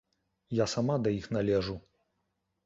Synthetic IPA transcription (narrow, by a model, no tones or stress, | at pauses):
jasamad̪ɐjixnalʲɛʐu